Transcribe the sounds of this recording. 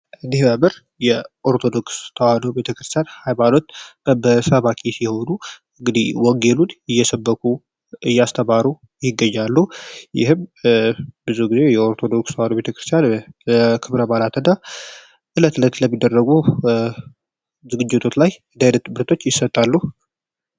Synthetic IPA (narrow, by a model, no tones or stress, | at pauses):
ʔɨnd̪ihməmɨɾ | jɛʔoɾt̪ʰo̞d̪o̞kst̪ʰəwanobe̞t̪ʰəkɾɨ̥st̪ʰjanhajmano̞t̪bəbəsəβakʰisiho̞nu | ɨŋɡɨd̪iwɔŋɡe̞lunɨjːɛsəbːəkʰu | ʔɨjːast̪ʰəmaɾu | jɪɡːəɲːalːujɪ̰ɦɨm | bɨzuɡize̞jɛo̞ɾt̪ʰod̪o̞kst̪əwanobe̞t̪ʰəkɾɨst̪ʰjan | kʰɨβɾəbalat̪ʰɨnːa | ʔɨlət̪ɨlət̪ləmːid̪ːərːəɡu | zɨɡɨd͡ʒːɪt̪ʰo̞t̪lajɨnd̪ajnət̪bɨɾt̪ʰo̞t͡ʃːjɪsːət̪ʼːalːuh